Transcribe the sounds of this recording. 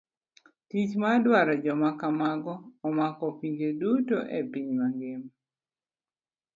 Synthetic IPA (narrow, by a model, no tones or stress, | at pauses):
tit͡ʃmadwaɾɔd͡ʒɔmakamaɡɔːmakɔpiɲd͡ʒedutoʔepiɲmaŋɡɪm